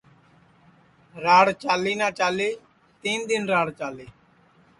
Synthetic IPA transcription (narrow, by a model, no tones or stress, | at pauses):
ɾaːɽt͡ʃaːliːnaːt͡ʃaːleː | t̪iːnd̪ɪnɾaːɽt͡ʃaːliː